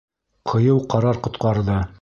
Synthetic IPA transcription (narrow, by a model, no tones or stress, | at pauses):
qʰɤ̆jɤwqɑɾɑɾqŏt̪qɑɾðɤ